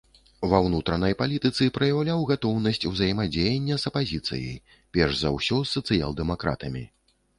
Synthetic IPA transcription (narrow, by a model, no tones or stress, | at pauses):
vɐwnut̪ɾɐnɐjpalʲit̪ɨt̪sɨpɾɐjawlʲawɣat̪ɔwnɐsʲt͡sʲuwzɐjmad͡zʲejɛnʲːɐzɐpazʲit̪sɨ̰jḭj | pʲɛrʐzawsʲɔsːɐt̪sɨja̰lˠd̪ɛmakɾa̰t̪ɐmʲḭ